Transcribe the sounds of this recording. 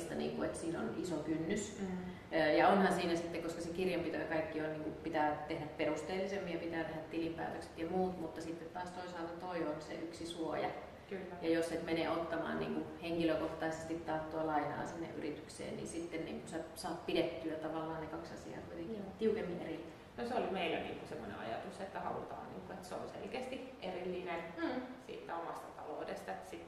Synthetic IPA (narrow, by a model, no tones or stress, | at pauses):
st̪ɑnḭːŋkuet̪siːno̰nisokynːys | jɑonhɑnsiːnæsit̪ːekoskɑsekirjɑmpit̪æækɑikːionniːŋkupit̪æːt̪ehdæpperust̪eːlːisemːijɑpit̪æːt̪ehæt̪t̪ilimpæ̰ːt̪økse̥t̪jɑmuːt̪mut̪ːɑsit̪ːet̪t̪ɑːst̪oisɑːlt̪ɑt̪oiʋonsḛʔyksisuojɑ̰ | kylːjɑjosset̪menḛːot̪ːɑmɑ̰ːnnḭːŋkuheŋkiløkoht̪ɑist̪sit̪t̪ɑrt̪ːoɑlɑinɑ̰ːsinːḛʔyrit̪yksḛːnnḭnsit̪ːennḭːŋkunsesɑːppidet̪ːyæt̪ɑʋɑlːɑːnnekɑksɑsḭɑ̰ːkuit̪eŋkit̪iukemːinʔeril | noseolimeilːæ̰nḭːŋkusemːonḛɑ̰jɑ̰t̪uset̪ːæhɑ̰lut̪ɑ̰ːnnḭːŋkuet̪seo̰nsḛlkeːst̪iʔerilːinesḭːt̪ːæomɑst̪ɑt̪ɑloudest̪ɑet̪ːsit̪ː